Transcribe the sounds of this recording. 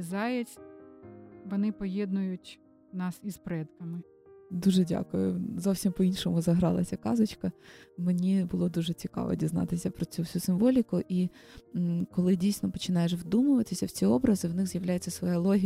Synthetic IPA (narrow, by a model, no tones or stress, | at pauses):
zɑjɛt͡sʲ | ʋɔnɪpɔjɛd̪nʊjʊtʲ | nɑsispɾɛd̪kɐmɪ | d̪uʒɛdʲa̰kʊjʊzɔwsʲimpɔinʲʃɔmʊzɐɦɾɑ̰lˠɐ̰sʲɐkɑzɪt͡ʃkɐmenʲibʊlˠɔd̪uʒɛt͡sʲikɑ̰ʋɔ̰dʲiznɑ̰t̪ɪsʲɐpɾɔt͡sʲusʲusɪmʋɔlʲɪkʊʔi | kɔlˠɪdʲijsnɔpɔt͡ʃɪnɑjeʃʋd̪umʊʋɐt̪ɪsʲɐwt͡sʲiɔbɾɐzɪwnɪɣzjɐʋwlʲajɛt͡sʲːɐsʋɔjɛlˠɔɦʲi